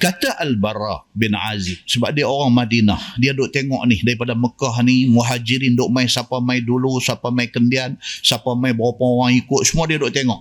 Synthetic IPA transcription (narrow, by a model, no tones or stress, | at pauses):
kat̪aʔalbarabɪnʕazɪm̚səbap̚diaoɣaŋmadinahdiadʊʔt̪eŋɔʔnihdaɾip̬adaməkahnimuɦad͡ʒiɾindʊʔmajsapamaidulusapamaikəndiansapamajbaapaŋoɣaŋikʊt̪̚səmuadiadʊʔt̪eŋɔʔ